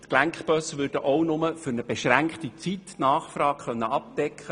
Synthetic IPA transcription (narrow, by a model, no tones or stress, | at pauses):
t̪klæŋkχpœsʋʏːrdəʔɔwnʊməfʏɾnəb̥eʃɾæŋkχt̪it͡sit̪nɑːχfrɑːɡ̥χœnːəɑp̚d̪̥ɛkχə